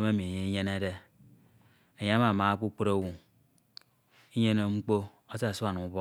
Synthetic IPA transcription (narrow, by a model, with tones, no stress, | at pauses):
m˦e˦mi˨e˨ɲe˨i˦ɲe˦ne˦de˦ | e˨ɲa˦ma˨ma˨˦k͡pu˦k͡po˦ɾo˦˨wu˨ŋ | i˦ɲe˦no˨ŋ͡m̩˦k͡po˦ | o˦sa˦˨su˦a˨nu˨˦bɔ˦